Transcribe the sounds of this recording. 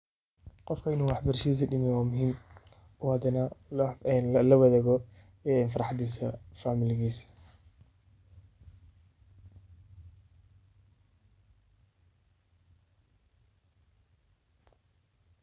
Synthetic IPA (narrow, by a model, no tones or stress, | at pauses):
qɔfkʰɐɪnuːwɑħbɐrʃis̬ɐɖɪmɛwaːmʊɦiːm | ɔhɐd̪ɐnɐɛnlɐwɐðɛɣɔ | ɛɛnfɑɾɑħɑd̪iːsɐfaːmɪlɪɣiːs